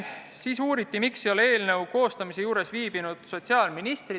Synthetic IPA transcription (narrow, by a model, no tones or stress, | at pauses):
siːsuːɾit̪ːˑimikso̞le̞ːlne̞wko̞ːst̪ɑmise̞juːɾe̞sviːb̥inud̪̥so̞t̪siɑːlminist̪ri